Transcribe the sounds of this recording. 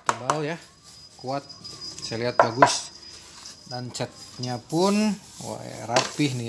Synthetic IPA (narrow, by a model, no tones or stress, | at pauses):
t̪əbalja | kuat̪̚sajaliɦat̪̚baɡʊs | dant͡ʃət̪̚ɲapʊn | wa̰jrapɪhni